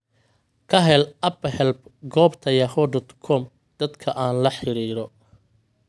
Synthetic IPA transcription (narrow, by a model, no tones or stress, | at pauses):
kʰɐɦɛlɐphɛlbɡɔːbt̪ʰɐjɐhɔdɔt̪kʰɔm | d̪̥ɐd̪kʰɐʔaːnlɐħɪɾiːɾɔ